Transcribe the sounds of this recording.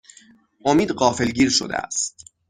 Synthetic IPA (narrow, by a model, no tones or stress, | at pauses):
ʔomiːd̪ɢɒːfe̞lɡiːɾʃo̰d̪ḛæ̰st̪̚